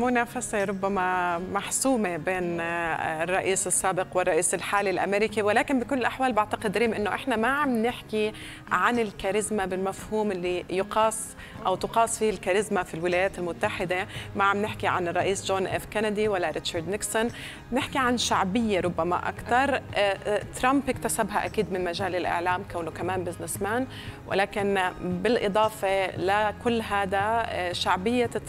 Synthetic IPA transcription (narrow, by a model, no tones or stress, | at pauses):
mʊnaːfaseɾˤʊbːamamaħsuːmebeːn | rˤːɑʔiːsɪsːaːbɪqwɪrˤːɑʔiːsɪlħaːlilʔa̰meːɾɪkiwɪlaːkɪnbɪkʊlːɪlʔaħwaːlbaʕt̪aqɪd̪ɾiːmʔɪnːoʔɪħnamaʕamnɪħki | ʕanɪlkaɾɪzmabɪlmafhuːmʔɪlːijʊqɑːsˤ | ʔa̰wt̪ʊqɑːsˤfiːhɪlkaɾɪzmafilwɪlaːjaːt̪ɪlmʊt̪ːaħɪd̪emaʕamnɪħkiʕa̰nrˤːɑʔiːsʒoːnʔeːfkanad̪iwalːaɾɪʃɑɾd̪nɪksɔn | nɪħkiʕanʃaʕbɪjːaɾˤʊbːama̰ʔa̰kt̪ɑɾˤ | t̪ɾˤɑmpʔɪkt̪asabɦaʔakiːd̪mɪnmaʒaːlɪlʔɪ̰ʕlaːmkawnokamaːnbɪznɪsmaːn | wʔɪ̰laːkɪnbɪlʔɨd̪ˤɑːfelakʊlːɦaːd̪aʃaʕbɪjːa